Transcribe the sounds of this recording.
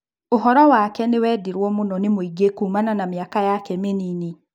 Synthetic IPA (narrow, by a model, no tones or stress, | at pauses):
oɦɔɾɔwakɛnewɛːdeɾwɔmonɔnemoiɡekuːmananamjakajakɛmenini